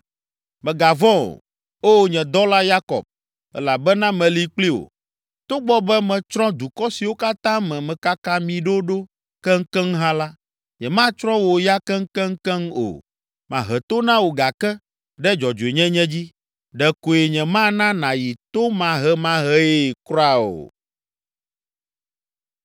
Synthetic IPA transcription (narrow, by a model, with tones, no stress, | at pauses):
mɛ̃˨ɡa˨vɔ̃˦o̰˨ | o˦ɲɛ̃˨d̪ɔ˦la˦ja˦kɔ̰˨b̚ | ɛ̰˦la˨bɛ˦nã˦mɛ̃˨li˦k͡pli˦wo̰˨ | t̪o˦ɡ͡bɔ˦bɛ˦mɛ̃˨t͡ʃɾɔ̃˦d̪u˨kɔ˦si˨wo˦ka˦t̪ã˦mɛ̃˨mɛ̃˨ka˦kã˦mĩ˨ɖo˦ɖo˦ | kɛ˦ŋ̩˦kɛ˦ŋ˦ɦã˦la˦ | ɲɛ̃˨mã˦t͡ʃɾɔ̃˦wo˨ja˦kɛ˦ŋ̩˦kɛ̃˦ŋ̩˦kɛ̃˦ŋo̰˨ | mã˨ɦɛ˨t̪o˦nã˦wo˨ɡa˨kɛ˦ | ɖɛ˦d͡ʒɔ˨d͡ʒo˨e˨ɲɛ̃˦ɲɛ̃˦d͡ʑi˦ | ɖɛ˨ko˨e˨ɲɛ̃˨mã˦nã˦nã˨ji˨t̪o˦mã˦ɦɛ˦mã˦ɦɛ˦e˦˨kɾɔ˦a˦o̰˨